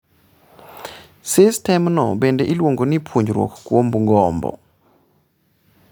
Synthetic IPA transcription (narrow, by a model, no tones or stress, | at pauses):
sɪstɛmnɔ̰bendeʔilwoŋɡonipʰoɲd͡ʒɾwo̰kkwombŋɡɔmbɔ̰